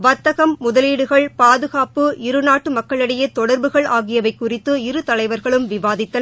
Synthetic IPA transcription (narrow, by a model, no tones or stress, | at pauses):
ʋɐt̪ːɐɣɐmːʊðɐliːɽɯɣɐɭpaːðɯɣaːpɯɪɾɯnaːʈːɯmɐkːɐɭɪɽɐjɐt̪ɔɽɐɾbɯɣɐɭaːɣɪjɐʋɐɪkːʊrɪt̪ːɯɪɾɯt̪ɐlɐɪʋɐɾɣɐɭɯmʋɪʋaːðɪt̪ːɐn